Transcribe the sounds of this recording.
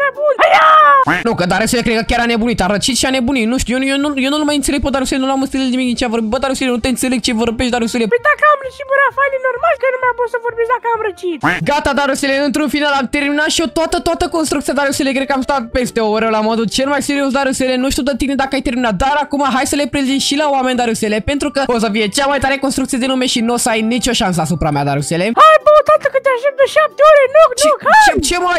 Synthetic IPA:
mabunanukəd̪aɾuselekɾekəkʲaɾane̞bunit̪aɾət͡ʃit̪ʃiane̞buninuʃt̪ujejenujenunumajɨnt̪seleɡpəd̪aɾuselenuluamɨnst̪illnimiknit͡ʃeavo̞rbit̪bəd̪aɾuselenut̪e̞ɨnt̪se̞leɡ̚t͡ʃe̞vo̞rbeʃt̪d̪aɾuselepəjd̪akəamɾət͡ʃit̪vəɾafanenormalkənumabunsəvorbesd̪akəamɾət͡ʃit̪ɡat̪ad̪aɾusele̞ɨnt̪ɾunfinalamt̪e̞rminat̪ʃiot̪oat̪ət̪oat̪əko̞nst̪ɾukt̪ijad̪aɾuselekɾed̪kamst̪at̪̚pe̞st̪e̞ooɾewlamod̪ut͡ʃe̞lmajseɾio̞s̬d̪aɾusele̞nuʃt̪iud̪ət̪ined̪akəajt̪e̞rminat̪̚d̪aɾakumaɦajsəle̞pɾezimʃilaoame̞nd̪aɾuselepe̞nt̪ɾukəosəfije̞t͡ʃamajt̪aɾe̞ko̞nst̪ɾukt̪sied̪enume̞ʃinosəajnit͡ʃo̞ʃans̬əasupɾamea̰d̪a̰ɾuseleajbot̪at̪əkət̪eaʃd̪ep̚d̪əʃap̚t̪eoɾenoknokat͡ʃemaj

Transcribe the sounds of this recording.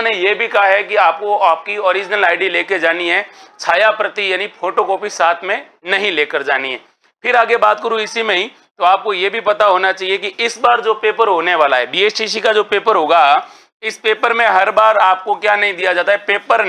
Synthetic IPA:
nejebʱikɐɦaɦɛkiaːp̚koaːp̚kiɔːɾɪd͡ʒnəlaːɪɖileːked͡ʒaːniɦɛt͡ʃʰaːjapɾɐt̪ijaːnipʰoːʈokɔːpisaːt̪ʰmẽnɐɦĩleːkəɾd͡ʒaːniɦɛː | pʰɪɾaːɡebaːt̪̚kəɾuɪsimẽɦĩ | t̪oaːp̚kojebʱipɐt̪aɦoːnat͡ʃaːɦiekiʔɪsbaːɾd͡ʒoːpeːpəɾɦoːneʋaːlaɦɛbiːeːt͡ʃʈis̬ikad͡ʒoːpeːpəɾɦoːɡa | ɪspeːpəɾmẽɦɐɾbaːɾaːp̚kokjaːnɐɦĩd̪ijad͡ʒaːt̪aɦɛpeːpəɾ

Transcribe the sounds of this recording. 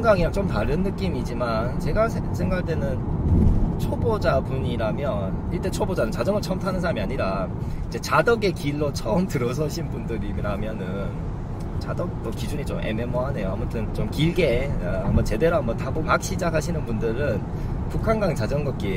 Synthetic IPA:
ŋɡaŋiɾat͡ɕomtaɾɯnːɯk͈imid͡ʑimant͡ɕe̞ɡasʰesʰe̞ŋɡakt͈we̞nɯn | t͡ɕʰobod͡ʑabuɲiɾamjʌniɭt͈e̞t͡ɕʰobod͡ʑanɯnt͡ɕad͡ʑʌmɯɭt͡ɕʰʌmtʰanɯnsʰaɾamiaɲiɾaid͡ʑe̞t͡ɕadʌɡe̞kiɭːot͡ɕʰʌʌmtɯɾʌs̬ʰʌɕʰinbundɯɾiɾamjʌnɯn | t͡ɕadʌk̚t͈ʌkid͡ʑuɲit͡ɕomʔe̞̰me̞moɦane̞joamutʰɯnt͡ɕomkiɭɡe̞amʌt͡ɕe̞de̞ɾoamʌtabupak̚ɕ͈ʰid͡ʑakhaɕ̬ʰinɯnbundɯɾɯn | pukʰanɡaŋt͡ɕad͡ʑʌnɡʌt̚k͈i

